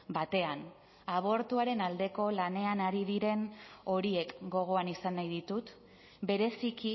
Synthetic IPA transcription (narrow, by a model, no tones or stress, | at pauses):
bat̪e̞an | aβ̞o̞ɾt̪uaɾe̞nald̪e̞ko̞lane̞anaɾiðiɾe̞no̞ɾie̞kɡo̞ɣ̞o̞anisanːajðit̪ut̪ | be̞ɾe̞siki